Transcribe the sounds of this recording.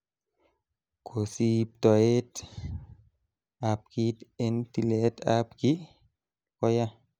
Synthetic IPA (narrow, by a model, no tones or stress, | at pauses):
kʰosip̚t̪ɔɛt | ap̚kitent̪iletapki | kɔja